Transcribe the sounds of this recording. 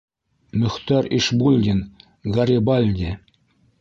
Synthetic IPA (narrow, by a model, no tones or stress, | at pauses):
mɵ̆xt̪ɑriʃbulʲd̪ʲin | ɡɑɾʲibɑlʲd̪ʲe